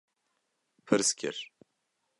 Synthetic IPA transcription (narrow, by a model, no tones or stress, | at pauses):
pʰɨɾskʲʰɪ̰ɾ